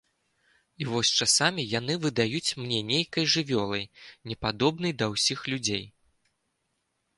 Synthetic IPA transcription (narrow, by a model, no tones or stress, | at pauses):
ivɔsʲt͡ʂasamʲijanɨvɨd̪ajut͡sʲmnʲɛnʲejkɐjʐɨvʲɔlˠɐjnʲɛpad̪ɔbnɐjd̪ɐwsʲixlʲud͡zʲej